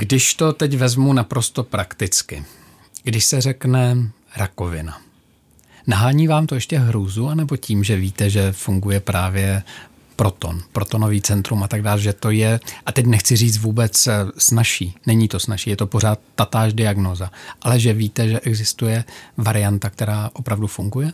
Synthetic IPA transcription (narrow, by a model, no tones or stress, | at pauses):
ɡdɪʃt̪o̞t̪ɛcvɛzmunapɾo̞st̪o̞pɾakt̪ɪt͡skɪ̰ | ɡdɪʃsɛr̝ɛknɛ | ɾako̞vɪna | naɦaːɲiːvaːmt̪o̞jɛʃcɛɦɾuːzuanɛbo̞ciːmʒɛviːt̪ɛʒɛfuŋɡujɛpɾaːvjɛ | pɾo̞t̪o̞̰npɾo̞t̪o̞no̞viːt͡sɛnt̪ɾumat̪aɡdaːlʒɛt̪o̞jɛʔat̪ɛc̬nɛxt͡sɪriːt͡s̪vuːbɛt͡ssnaʃiːnɛɲiːt̪o̞snaʃiːjɛt̪o̞po̞r̝aːt̪̚ːat̪aːʃdɪaɡno̞ːzaʔalɛʒɛviːt̪ɛʒɛʔɛɡzɪst̪ujɛvaɾɪjant̪akt̪ɛɾaːʔo̞pɾavdufuŋɡujɛ